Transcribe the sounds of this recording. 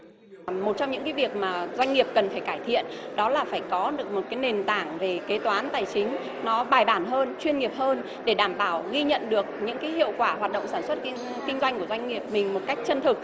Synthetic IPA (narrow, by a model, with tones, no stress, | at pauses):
mo˨˩t̚t͡ɕɔ˧ŋ͡mɲɨ̰˧˥ŋkaː˨˦jvi˨˩ək̚maː˨˩zwa˧jŋ̟ŋi˨˩əp̚kə˨˩nfaː˧˩jkaː˧˩jt̪ʰḭ˧˨ənɗɔ˨˦laː˨˩faː˧˩jkɔ˨˦ɗɨ˨˩ək̚mo˨˩t̚kaː˨˦jne˨˩nt̪aː˧˩ŋve˨˩ke˨˦t̪waː˨˦nt̪aː˨˩jt͡ɕï˨˦ŋ̟ | nɔ˨˦ɓaː˨˩jɓaː˧˩nɦəː˧nt͡ɕwi˧ənŋi˨˩əp̚həː˧n | ɗe˧˩ɗaː˧˩mɓaː˧˩wɣi˧ɲə̰˧˨nɗɨ˨˩ək̚ɲɨ̰˧˥ŋkaː˨˦jɦḭ˧˨əwkwaː˧˩hwaː˨˩t̚ɗə̰˧˨wŋ͡msaː˧˩nswə˦˥t̚ | kï˧ŋzwa˧jŋ̟ku˧˩əzwa˧jŋ̟ŋi˨˩əp̚mï˨˩ŋ̟mo˨˩t̚ka˦˥jk̟̚t͡ɕə˧nt̪ʰɨ˨˩k̚